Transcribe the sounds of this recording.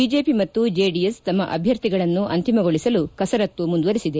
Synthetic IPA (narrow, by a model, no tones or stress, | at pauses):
id͡ʒe̞ːpimɐt̪ːud͡ʒeːɖijest̪ɐmːɐʔɐbʱjɐɾt̪iɡɐɭɐnːuʔɐnt̪imɐɡoɭisɐlukɐsɐɾɐt̪ːumund̪ʋɐɾisid̪e